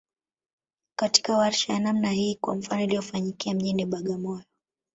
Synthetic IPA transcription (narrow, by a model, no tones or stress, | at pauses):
kati̥kawaɾʃajanamnahiːkwa̰m̩fanɔilijɔfaɲikiam̩ʄiniɓaɠamɔjɔ